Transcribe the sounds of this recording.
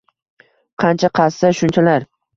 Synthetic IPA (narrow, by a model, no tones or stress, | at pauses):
qʰɑnt͡ʃʰaqʰɑsːaʃʊnt͡ʃʰalaɾ